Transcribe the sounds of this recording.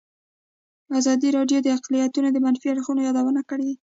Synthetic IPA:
azɑd̪iɾɑɖjod̪əaqlijat̪unod̪əmanfiaɽxunojɑd̪awənakəɽe

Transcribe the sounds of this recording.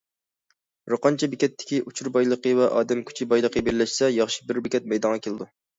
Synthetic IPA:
ɾoqɑnt͡ʃʰɛbekʲɛt̪ʰːɪ̥kʲiʔut͡ʃʰuɾbɑjlˠəqəvɛʔɑːd̪ɛmkʲʰy̥t͡ʃʰibɑjlˠəqʰəbeɾɪlɪʃsɛjɑχʃi̥bɪɾbɪkʲʰɛt̪̚mɛjd̪ɑŋʁɑkʲʰelˠɪd̪u

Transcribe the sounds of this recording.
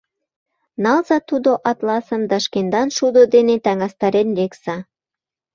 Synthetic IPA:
nɑlzɑt̪ud̪oʔɑt̪lɑsə̆md̪ɑʃkend̪ɑnʃud̪od̪enet̪æŋɑst̪ɑɾenleksɑ

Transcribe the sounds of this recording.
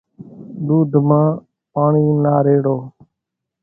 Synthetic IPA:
d̪uːd̪ʱmãː | paːɳiːnaːɾeːɽoː

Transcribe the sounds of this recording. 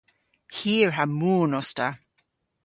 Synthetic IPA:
hiːɹɦamuːnɔsta

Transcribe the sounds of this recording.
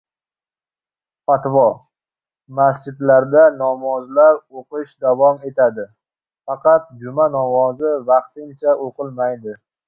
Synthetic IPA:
fat̪vɒ | masd͡ʒɪd̪laɾd̪anɒmɒzlaɾoqɨʃd̪avɒme̞t̪ʰad̪ɪ | fɑqʰɑt̪̚d͡ʒʊmanɒmɒzɪvɑqt̪ɪŋt͡ʃʰaʔoqɨlmajd̪ɪ

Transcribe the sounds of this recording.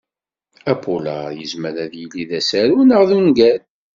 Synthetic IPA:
æpʰola̰jəzməɾæðjəlːiðæsæɾunəʁðunɡæl

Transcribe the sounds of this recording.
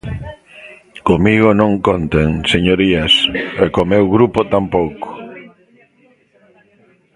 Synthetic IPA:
komiɣonõŋkont̪eŋseɲoɾiɐsɛkomewɣɾupot̪ampowko̥

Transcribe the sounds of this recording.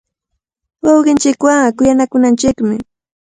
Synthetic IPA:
wɑwɢɪnt͡ʃɪkwaŋkʊjanakʊnant͡ʃɪkmɪ

